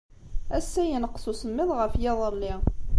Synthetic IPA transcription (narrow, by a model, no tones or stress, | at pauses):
æsːæjənəqːsusəmːɪðˤʁəfjɑðˤəlːɪ